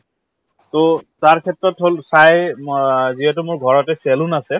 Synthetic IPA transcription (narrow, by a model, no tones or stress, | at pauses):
totaɹkʰɛtɹɔtɦolsaj | ziɦɛtʊmʊɹɡʱɔɹɔtɛsɛlʊnasɛ